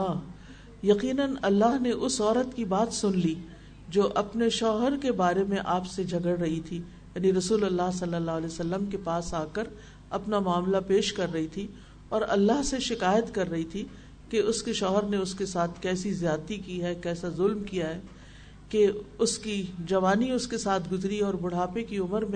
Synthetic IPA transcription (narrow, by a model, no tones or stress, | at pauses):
aː | jɐqiːnənɐlːaɦneʔʊsɔːɾət̪kibaːt̪sʊnli | d͡ʒoːʔɐpneʃɔːɦəɾkebaːɾemẽʔaːpsed͡ʒʱɐɡəɽɾɐɦit̪ʰi | jaːniɾɐsuːlɐlːaɦsɐlːəlːaːəlɛːsɐlːəmkepaːsaːkəɾ | ɐpnamaːmlapeːʃkɐɾːɐɦit̪ʰi | ɔːɾɐ̰lːaɦseʃɪkaːjət̪kɐɾːɐɦit̪ʰi | keʊskeʃɔːɦəɾneʊskesaːt̪ʰkɛːsizjaːt̪ikiɦɛkɛːsazʊlmkijaɦɛː | keʊskid͡ʒɐʋaːniʊskesaːt̪ʰɡʊzɾiɔːɾbʊɽ̤aːpekiʊməɾmẽ